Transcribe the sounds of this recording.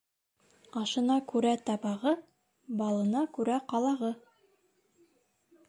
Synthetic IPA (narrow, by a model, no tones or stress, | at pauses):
ɑʃɤ̆nɑkʉɾæt̪ɑbɑʁɤ | bɑlˠɤ̆nɑkʉɾæqɑlˠɑʁɤ